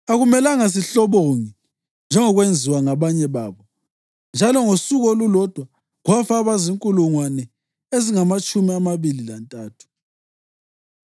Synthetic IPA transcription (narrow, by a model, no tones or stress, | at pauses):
aɣumɛlaŋas̬iɬɔβoŋi | nd͡ʒʱɛŋɔɣwend͡zʱiwaŋaβaɲɛβaːβɔ | nd͡ʒʱalɔŋosuɣɔlulɔd̥ʱwa | ɣwafaβaziŋkʼuluŋwanɛ | eziŋamat͡ʃʼumiamaβililantʼaːtʰu̥